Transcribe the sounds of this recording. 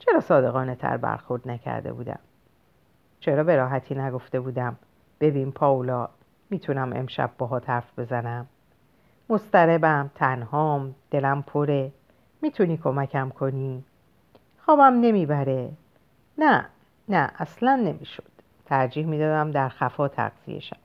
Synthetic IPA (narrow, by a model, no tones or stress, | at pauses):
t͡ʃʰe̞ɾɒːsɒːd̪e̞ɣɒːnet̪ʰæ̰ɾbæ̰ɾxo̞ɾd̪næcʰæ̰ɾd̪e̞̰bṵːd̪æ̰m | t͡ʃʰe̞ɾɒːbe̞ɾɒːɦæt̪ʰiːnæɡo̞ft̪e̞buːd̪æm | b̥e̞biːnpʰɒːulɒː | miːt̪ʰunæmʔe̞̰mʃæ̰b̚ːɒːɦɒːt̪ʰæɾfbe̞zænæmː | o̞st̪æɾe̞bæmt̪ʰænhɒːmd̪̥e̞læmpʰo̞ɾe̞ | miːt̪ʰuniːkʰo̞mæcʰæmkʰo̞ni | xɒːbæmne̞miːbæɾe̞ | næ | næʔæslænːe̞miːʃo̥d̪̥ | t̪ʰæɾd͡ʒiːhmiːd̪ɒːd̪æmd̪æɾxæfɒːt̪ʰæ̰ɣz̥ḭe̞̰ʃæ̰b